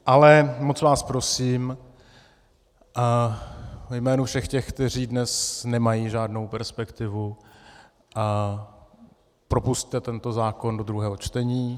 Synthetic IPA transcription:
ʔalɛmot͡svaːspɾosiːm | vɛjmɛːnufʃɛxcɛxkt̪ɛr̝iːdnɛsnɛmajiːʒaːdno̞wpɛɾspɛkt̪ɪvu | pɾo̞pusct̪ɛt̪ɛnt̪o̞zaːko̞ndo̞d̪ɾuɦɛːɦo̞t͡ʃt̪ɛɲiː

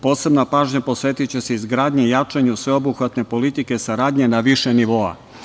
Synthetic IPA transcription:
po̞ːse̞bnapaːʒɲapo̞sʋe̞t̪it͡ɕe̞seizɡɾaːd̪ɲeijat͡ʃaɲusʋe̞o̞buxʋat̪ne̞po̞lit̪ike̞saɾaːd̪ɲe̞naʋiʃe̞niʋo̞a̰

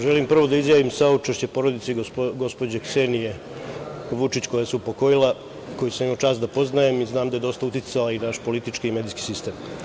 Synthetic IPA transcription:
ʒe̞limpr̩ʋo̞d̪aizjaːʋimsaut͡ʃeʃt͡ɕe̞po̞ɾo̞d̪it̪seɡo̞spo̞d͡ʑeksenije̞ | ʋut͡ʃit͡ɕko̞jaseupo̞ko̞jilˠa | ko̞jusemmot͡ʃaːsd̪apo̞znajemiznaːmd̪ajed̪o̞st̪aut̪it̪salainaʃpo̞lit̪it͡ʃkiːme̞d̪iski̥sist̪e̞ːm

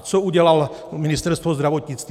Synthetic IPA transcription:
t͡sɔuɟɛlal | minist̪ɛɾst̪ʋɔzd̪ɾaʋɔt̪ɲit͡st̪

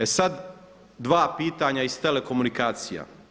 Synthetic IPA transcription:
esad̪ | d̪ʋaːpiːt̪aɲaist̪ele̞ko̞munikaːt̪sija̰

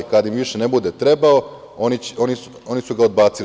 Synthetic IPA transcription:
ikad̪aimʋiʃene̞bud̪e̞t̪ɾe̞bao̞ | onioni | o̞nisuɡao̞d̪̚baːt̪sil

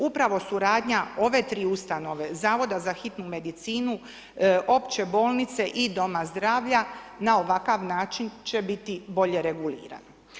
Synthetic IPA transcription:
upɾaʋo̞suɾaːd̪ɲao̞ʋe̞t̪ɾiːust̪ano̞ʋe̞zaːʋo̞d̪azaxit̪nume̞d̪it̪siːnu | ʔo̞pt͡ɕe̞bo̞ːlˠnit̪se̞ʔid̪o̞mazd̪ɾaːʋʎanao̞ʋakaʋnaːt͡ʃint͡ɕe̞bit̪ibo̞ʎe̞ɾe̞ɡulḭːɾa̰no

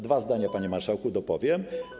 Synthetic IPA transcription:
d̪vazd̪aɲapaɲɛmaɾʂawkud̪ɔpɔvʲjɛm

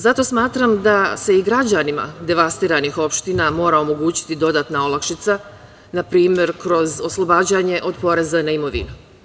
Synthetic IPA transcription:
zat̪o̞smaːt̪ɾamd̪ase̞iɡɾad͡ʑanima̰d̪e̞ʋast̪iːɾanixo̞pʃt̪inamo̞ːɾao̞mo̞ɡuːt͡ɕi̥t̪id̪o̞d̪aːt̪nao̞lˠakʃit̪sa | napɾiːmje̞ɾkɾo̞zo̞slˠo̞baːd͡ʑaɲe̞ʔo̞d̪po̞ɾe̞zanaimo̞ʋḭnu

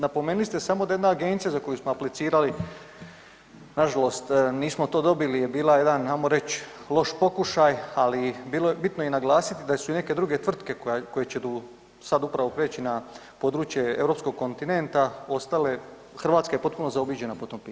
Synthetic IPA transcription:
napomeːnulist̪esamod̪ajed̪naːɡe̞ːnt̪sijazako̞jusmoaplit̪siːɾali | naʒalo̞st̪niːsmo̞t̪o̞ːd̪o̞bilijebiːlˠaje̞d̪anamoɾe̞t͡ɕlˠo̞ʃpo̞kuʃajalibiːlojebit̪nojenaɡlˠaːsit̪id̪asuine̞ke̞d̪ɾuɡe̞t̪ʋr̩t̪ke̞kko̞je̞t͡ɕet̪u | sad̪upɾaʋo̞pɾeːt͡ɕina | po̞d̪ɾuːt͡ɕje̞e̞̰vɾo̞pskoɡ̚ko̞nt̪ine̞nt̪ao̞st̪ale̞ | xr̩ʋaːt̪skajepo̞t̪̚puno̞zaobiːd͡ʑe̞napot̪o̞mpiː

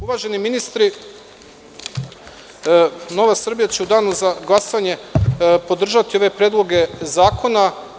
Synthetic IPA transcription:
uʋaːʒe̞niminist̪ɾi | no̞ʋasr̩bijat͡ɕeud̪aːnuzaɡlˠasoʋaɲe̞po̞d̪r̩ʒat̪io̞ʋe̞pɾeːd̪lˠo̞ɡe̞zaːkʰo̞na

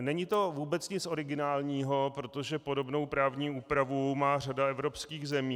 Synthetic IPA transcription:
nɛɲɪt̪o̞vuːbɛt͡sɲɪt͡sʔo̞ɾɪɡɪnaːlɲiːɦo̞pɾo̞t̪o̞ʒɛpo̞do̞bno̞wpɾaːvɲiːuːpɾavumaːradaɛvɾo̞pskiːɣzɛmiː

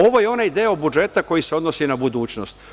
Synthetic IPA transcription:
o̞ʋojeo̞naid̪eːjaobud͡ʒe̞t̪ako̞jiseo̞d̪nosinabud̪uːt͡ʃnost̪

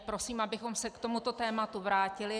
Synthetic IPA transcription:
pɾosiːmʔabɪxo̞msɛkt̪o̞mut̪o̞t̪ɛːmat̪uvɾaːcɪlɪ

